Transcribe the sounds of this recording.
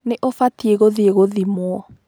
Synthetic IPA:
neʔofatieɣoðieɣoðimwɔ

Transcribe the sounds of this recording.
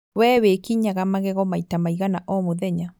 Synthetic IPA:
wɛːwekiɲaɣamaɣɛɣɔmaitamaiɣanaʔɔmoðɛɲa

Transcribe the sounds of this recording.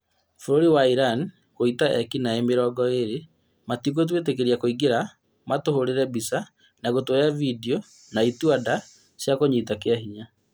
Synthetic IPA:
foɾoɾiwaiɾan | koitaʔɛkinaemeɾɔɡɔeɾe | matikot̬wetekeɾiakoiɡeɾa | matohoɾeɾɛbisa | naɣotoɾjavidio | naituada | sjakoɲiːtakeaɦiɲa

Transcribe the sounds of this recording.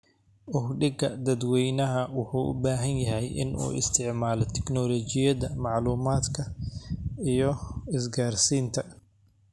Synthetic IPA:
ʔʊhɖɪɡɐd̪ɐd̪wɛjnɐɦɐwʊħuːʔʊ̰baːɦɐnjɐɦɛjʔɪ̰nʔṵːʔɪ̰st̪ʰɪʕmaːlɔt̪ʰɛɡnɔːlɔːt͡ʃɪjɐðɐmɑʕluːmaːd̪kʰɐ | ijɞɪsɡaːrsiːnt̪ʰɐ

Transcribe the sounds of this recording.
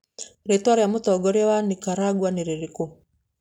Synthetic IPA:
ɾetwaɾejamotɔɡɔɾjawanikaɾaɡwaneɾeɾiko

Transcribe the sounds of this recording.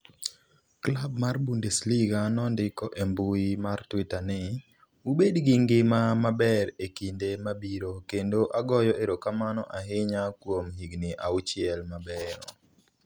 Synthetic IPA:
klabmarbundesliɡanɔndɪkɔʔembuimartwitanɪ | ubedɡɪŋɡɪmamabɛɾekindemabiɾokendoʔaɡɔjɔʔeɾokamanɔʔaɦɪɲakwomhiɡnɪʔaut͡ʃɪɛlmabɛɾɔ̰

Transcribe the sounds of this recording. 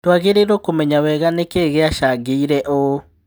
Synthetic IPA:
twaɣeɾeɾokomɛɲawɛɣanekeɣeaʃaɡeiɾɛʔo

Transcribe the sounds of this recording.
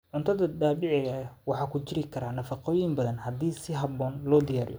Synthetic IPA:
ʕʊnt̪ʰɐðɐd̪aːbɪʕɪɣɐwɑħɑːkʰʊt͡ʃɪɾɪkʰɐɾaːnɐfɑqɔːjɪmbɐðɐnhɐd̪iːsɪɦɐbɔːnlɔːd̪ɪjaːɾɪ̰jɔ

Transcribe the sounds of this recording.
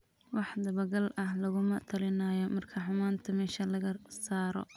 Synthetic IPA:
wɑħd̪ɐβɐɡɐlʔɐhlɐɣʊmɐt̪ʰɐlɪnɐːjɔmɐrkʰɐħʊmaːnt̪ʰɐmɛːʃɐlɐɣɐsaːɾɔ̰

